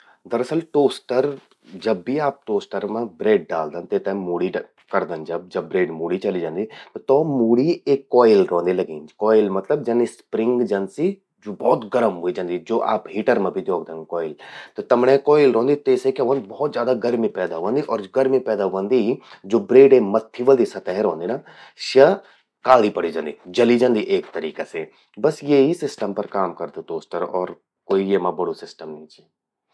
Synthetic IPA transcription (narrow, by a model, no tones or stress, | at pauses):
d̪əɾəsəlʈoːsʈəɾ | d͡ʒəbːiːaːp̚ʈoːsʈəɾmãbɾeːɖ̚ɖaːld̪ənt̪et̪ɛ̃muːɽiː | kəɾd̪ənd͡ʒəb̚d͡ʒəbbɾeːɖmuːɽiːt͡ʃəliːd͡ʒãːnd̪iːt̪ːt̪õːmuːɽiːekːɔːɪlɾɔ̃ːnd̪iləɡiːnd͡ʒkɔːɪlmət̪ləb̚d͡ʒənispɾɪ̃ŋɡd͡ʒənsiː | d͡ʒoːbɔːt̪ɡəɾəmɦoːid͡ʒãːnd̪iːd͡ʒoːʔa̰ːpɦiːʈəɾmãːbʱiːd̪jɔːɡ̚d̪ənkɔːɪlt̪ot̪ɐmnẽkɔːɪlɾõːnd̪it̪eːsekeʋə̃ːnd̪bɔːt̪zjaːd̪aɡɐɾmipɛːd̪aɦʊə̃nd̪iʔɔːɾɡɐɾmipɛːd̪aɦʊʋə̃nd̪id͡ʒoːbɾeːɖemɐt̪ʰːiʋəld̪isɐt̪eɦẽɾõːnd̪ina | ʃɐ | kaːlipɐɽid͡ʒɐ̃ːnd̪id͡ʒɐlid͡ʒɐ̃nd̪iʔeːk̚t̪ɐɾḭːkase | bɐsjeɦisɪsʈəmpɐɾkaːmkɐɾd̪ut̪oːsʈəɾɔːɾ | koːijemãbɐɽosɪsʈəmnĩt͡ʃi